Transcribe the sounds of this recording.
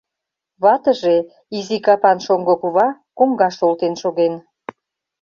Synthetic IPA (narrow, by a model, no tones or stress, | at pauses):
βɑt̪əʒe | izikɑpɑnʃoŋɡokuβɑkoŋɡɑʃolt̪enʃoɣen